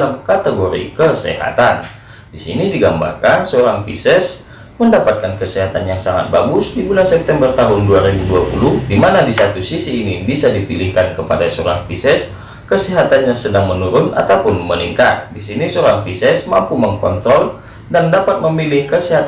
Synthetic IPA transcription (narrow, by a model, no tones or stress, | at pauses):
lamkat̪eɡoɾḭkəsɛ̰ɦa̰t̪an | disḭnidiɡamba̰rkansəoɾaŋfḭsɛs | məndapat̪̚kankəsɛɦat̪anjaŋsaŋa̰t̪̚baɡʊsdibulansɛp̚t̪ɛmbərt̪aɦʊnduaɾibuduapṵlʊhdimanadisat̪usisiːnibisadipilɪhkankəpa̰dasəoɾa̰ŋfisɛs | kəsɛɦat̪anɲasədaŋmənuɾʊna̰t̪awpʊnmənḭŋkat̪̚disinisəoɾaŋfisɛsmampuməŋkɔ̰nt̪ɾɔl | dandapat̪̚məmilɪhkəsɛɦat̪